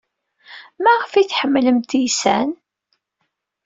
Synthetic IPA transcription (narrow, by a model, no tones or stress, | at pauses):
mæʁfiθħəmːləmt̪ijsæ̰n